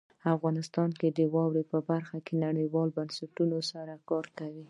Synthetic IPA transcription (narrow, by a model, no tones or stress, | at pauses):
afɣɑnɪst̪ɑnked̪əwɑwɽepəbaɾxakenaɽəjwɑlbansaʈunosaɾakɑɾkawi